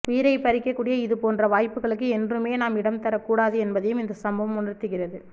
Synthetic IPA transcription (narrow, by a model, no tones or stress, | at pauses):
ʔʊjɪɾɐɪpɐɾɪkːɐkːuːɽɪjɐɪðɯpoːndrɐʋaːjpːɯɣɐɭɯkːɯɛndrɯmeːnaːmɪɽɐmt̪ɐɾɐkːuːɽaːðɯɛnbɐðɐjɯmɪnd̪ɐsɐmbɐʋɐmʊnɐɾt̪ːɯɣɪrɐðɯ